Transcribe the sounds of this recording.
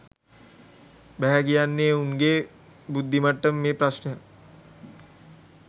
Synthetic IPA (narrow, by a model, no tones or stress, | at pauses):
bɛɦɛkijanːeuŋɡeː | bud̪ʱːimaʈːəmmeːpɾasnəə